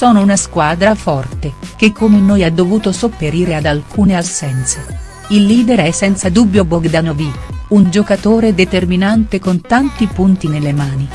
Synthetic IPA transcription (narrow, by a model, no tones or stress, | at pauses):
soːnounaskwaːd̪ɾafɔrt̪ek̟ekʰːomenːoːjad̪ːovuːt̪osopːeɾiːɾead̪alkʰuːneasɛnt̪se | ilːiːd̪eɾɛsːɛnt̪sad̪ubːjoboɡd̪anoviund͡ʒokat̪oːɾed̪et̪erminant̪ekont̪ant̪ipunt̪inelːemaːni